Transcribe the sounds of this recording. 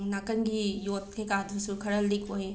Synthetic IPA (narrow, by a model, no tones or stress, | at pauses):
nakɐnɡijot̪̚kʰekad̪ɾusukʰɐɾɐldikʰoje